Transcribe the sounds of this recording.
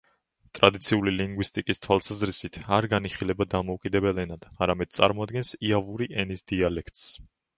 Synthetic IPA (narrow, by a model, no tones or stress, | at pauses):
t̪ʼɾad̪it̪sʰiuliliŋɡwist̪ʼikʼist̪ʰwalˠsazɾisit̪ʰaɾɡaniχilɛbad̪amɔukʼid̪ɛbɛlɛnad̪̥aɾamɛd̪̥̚sʼa̰ɾmɔad̪̚ɡɛnsiavuɾiʔɛnisd̪ialɛkʰt̪ʼs